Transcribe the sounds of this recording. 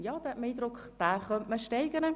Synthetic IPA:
jɑːd̥̪ɛmiːdɾʊkχd̥æːχœntməʃtɛɪɡənə

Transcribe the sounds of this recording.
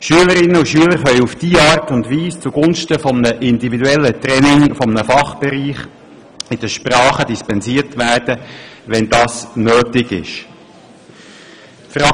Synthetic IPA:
ʃyələɾɪnːəuʃyələɾχœʏufd̥iːɑːɾtʊndʋiːst͡suɡ̥ʊnʃtəfɔmnəʔɪndividuɛlːətɾɛnɪŋfɔmənəfɑχb̥ɛɾiːχ | ɪd̥əʃpɾɑːχədispɛnsiːərtʋæːrd̥əʋɛnd̥ɑːsnøːtɪɡɪ̰ʃ | fɾɑ

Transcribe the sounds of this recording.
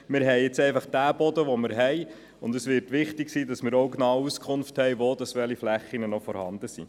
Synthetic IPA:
mɪɾɦɛɪɪt͡sɛɪfɑχd̥æːbɔdəʋomɪɾɦɛɪ | ʊndəsʋɪɾtʋɪχtɪksiːdɑsmɪːɾoʊknɑːwuskʰχʊnfthɛjʋoːd̥ɑsʋɛliflæχːinənɔfɔɾhɑ̰ndəsḭː

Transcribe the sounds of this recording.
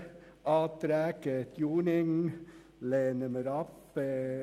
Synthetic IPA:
ʔɑːt̪ɾæːkət̪ʰjuːnɪŋ | leːnəməɾɑp

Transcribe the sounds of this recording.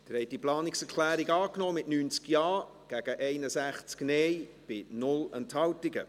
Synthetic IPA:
d̥əɾhɛɪt̚diplɑːnɪksɛkʰlæːɾiɡɑːknɔːmɪtnyːnt͡skjɑː | ɡ̥æɡ̥əʔɛɪnəsæχt͡sknɛjb̥ɪnʊlɛnthɑwtɪɡə̰

